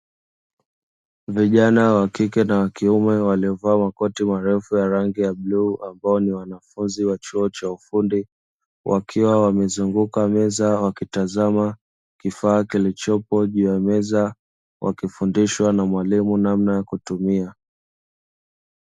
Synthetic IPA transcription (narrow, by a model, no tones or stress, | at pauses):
viʄanawakikɛnawakiumɛwaliɔvaːmakɔtimaɾɛfujaɾaŋɡijaɓluːambaɔniwanafunziwat͡ʃuɔt͡ʃaufundi | wʔakʰiwawamɛzuŋɡukamɛzawakitazama | kifaːkilit͡ʃɔpɔʄuːjamɛza | wʔa̰kifundiʃwanamwalimunamnajakutumia